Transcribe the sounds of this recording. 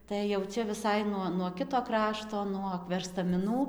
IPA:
tɐɪ jɛʊ ˈt͡ʃʲɛ ʋʲɪˈsɐɪ nuɔ nuɔ ˈkʲɪtoː ˈkrɑːʃtoː nuɔk ʋʲɛrstɐmʲɪˈnuː

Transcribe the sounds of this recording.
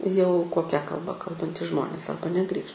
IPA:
jɛʊ koːˈkʲɛ kɐlˠˈbɐ ˈkɐlˠbɐnʲtʲiːs ˈʒmoːnʲeːs ˈɐrbɐ nʲɛˈɡrʲiːʃ

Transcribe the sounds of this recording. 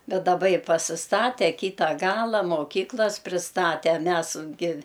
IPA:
ˈbʲɛt dɐˈbɐ ɪ pɐsʲɪsˈtɑːtʲɛ ˈkʲiːtɐ ˈɡɑːlˠɐ moːˈkʲiːklˠɐs pʲrʲɪsˈtɑːtʲɛ ˈmʲæs ɡʲɪ

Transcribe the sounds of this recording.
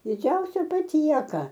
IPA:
dʲɪˈd͡ʒʲɛʊsʲɛ pɐˈtʲiɛkɐ

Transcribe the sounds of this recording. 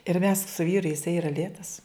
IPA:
ɪr mʲɛs sʊ ˈʋʲiːrʊ ɪˈsɐɪ iːˈrɐ ˈlʲeːtɐs

